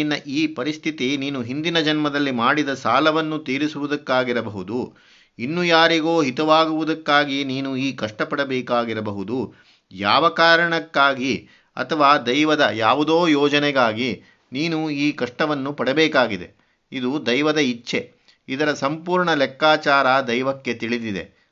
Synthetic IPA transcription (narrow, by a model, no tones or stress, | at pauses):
nːɐʔiːpɐɾist̪ʰit̪iniːnuɦind̪inɐd͡ʒɐnmɐd̪ɐlːimaːɽid̪ɐsaːlɐʋɐnːut̪iːɾisuʋud̪ɐkːaːɡiɾɐbɐɦud̪u | inːujaːɾiɡoːɦit̪ɐʋaːɡuʋud̪ɐkːaːɡiniːnuiːkɐʂʈɐpɐɽɐbɛːkaːɡiɾɐbɐɦud̪u | jaːʋɐkaːɾɐɳɐkːaːɡi | ɐ̰t̪ʰɐʋaːd̪ɐjʋɐd̪ɐjaːʋud̪oːjɔːd͡ʒɐnɛɡaːɡi | niːnuiːkɐʂʈɐʋɐnːupɐɽɐbɛːkaːɡid̪e̞̰ | id̪ud̪ɐjʋɐd̪ɐit͡ʃːʃe̞ | id̪ɐɾɐsɐmpuːɾɳɐlɛkːaːt͡ʃaːɾɐd̪ɐjʋɐkːe̞t̪iɭid̪id̪e̞̰